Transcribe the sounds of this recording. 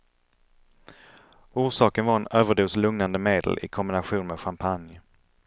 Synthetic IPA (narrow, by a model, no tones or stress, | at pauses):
uːʂɑːkənvaɾɛnøːvəɖuːslɵŋnand̪əmeːd̪ə̰lʔɪ̰kʰɔmbɪnaɧuːnmɛːɧampʰanj